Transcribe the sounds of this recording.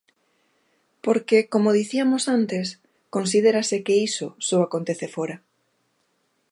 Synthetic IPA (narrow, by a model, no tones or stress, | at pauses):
poɾkekomoð̞iθiamosant̪es | konsið̞eɾasekeisosoakont̪eθefoɾa